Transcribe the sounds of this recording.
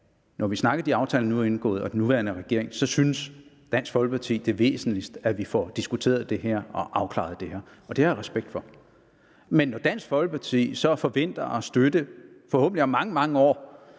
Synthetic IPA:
nʔɒʋisnɑ̈ɡ̥ɐd̥iɑ̈ʊt͡sʰɛ̰ːlnuæe̝nɡ̥ɔ̰̽ːð̩ˠɒ̽d̥enːuʋæɐnəʁɛɡ̥e̝ɐ̰eŋsɒ̽synəs | d̥æn̰sɡ̥fɒ̽lɡ̥əpʰɑ̈t͡sʰḭːd̥e̝ɐʋe̝̰ːsn̩lisd̥æʋifɒd̥isɡ̥ut͡sʰe̝̰ːɐð̩ˠd̥e̝ɦæɐ̰ɒ̽ʔɑ̈ʊkʰlɑ̰̈ð̩ˠd̥e̝hæɐ̰ | ɒ̽d̥e̝ɑʁɛsb̥eɡ̥̚d̥fɒ̽ | menːɒd̥æn̰sɡ̥fɒ̽lɡ̥ə̥pʰɑ̈t͡sʰḭːsɒ̽fɒ̽ʋen̰d̥ɐɒ̽sd̥ød̥ə | fɒ̽hɔ̰ːb̥n̩liɒmːɑ̈ŋəmɑ̈ŋəɒ̰ː

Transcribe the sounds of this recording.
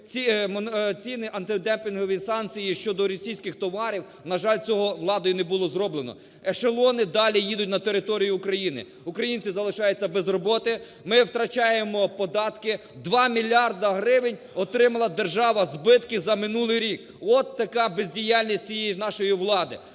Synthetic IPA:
t͡sʲimt͡sʲinɪʔɐnt̪ɪd̪ɛmpʲɪnɦɔʋʲisɑnkt͡sʲijiʃt͡ʃɔd̪ɔɾɔsʲijsʲkɪxt̪ɔʋɑɾʲiw | nɐʒɑlʲt͡sʲɔɦɔʋlˠɑd̪ɔjʊnɛbʊlˠɔzɾɔblenɔ̰ | ɛʃelˠɔnɪd̪ɑlʲijid̪ʊt̚ʲnɐt̪eɾɪt̪ɔɾʲijʊːkɾɐjinɪ̰ | ukɾɐjinʲt͡sʲizɐlˠɪʃɑjet͡sʲːɐbɛzrɔbɔt̪ɪ | mɪwt̪ɾɐt͡ʃɑjemɔpɔd̪ɑt̪kɪ | d̪ʋɑmʲilʲɑrd̪ɐɦɾɪʋɪnʲ | ɔt̪ɾɪmɐlˠɐd̪erʒɑʋɐzbɪt̪kɪzɐmɪnulˠɪjɾʲik | ɔt̪ːɐkɑbezʲdʲijalʲnʲisʲtʲt͡sʲijɛjinɑʃɔjiʋlˠɑd̪ɪ

